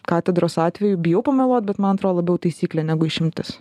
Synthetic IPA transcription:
kɑːt̪ʲɛd̪ɾoːsɑːt̪ʲʋʲɛjʊbʲɪjɛʊpɐmʲɛlˠoːt̪̚bʲɛt̪mɐnɐt̪ɾoːd̪lˠɐbʲɛʊt̪ɐɪsʲiːklʲeːnʲæɡʊɪʃʲɪmʲt̪ʲɪs

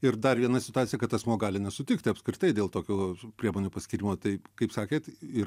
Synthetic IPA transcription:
ɪɾd̪ɐrʋʲiɛnɐsʲɪ̥t̪ʊɑːt̪sʲɪjɛkɐt̪ɐsmuɔɡɑːlʲɪnʲɛsʊt̪ʲɪkt̪ʲɪɐpskɾʲɪt̪ɐɪd̪ʲeːlˠt̪oːkʲuːpʲɾʲiɛmoːnʲuːpɐsʲkʲɪɾʲɪmoːt̪ɐɪkɐɪpsɑːkʲeːt̪ɪ

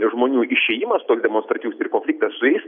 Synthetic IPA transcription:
ʒmoːnʲuːɪʃʲeːjɪmɐst̪oːksd̪ʲɛmoːnst̪ɾɑːt̪ʲɪjuːsɪrkoːnʲfʲlʲɪkt̪ɐssʊɛɪs

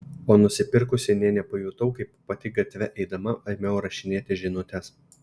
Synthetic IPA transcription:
oːnʊsʲɪpʲɪɾkʊsʲɪnʲeːnʲɛpoːjuːt̪ɐʊkɐɪppɐt̪ʲɪɡɐt̪ʲʋʲɛʔɛɪd̪ɐmɐɐmʲɛʊɾɐʃʲɪnʲeːt̪ʲɪʒʲɪnʊt̪ʲɛs

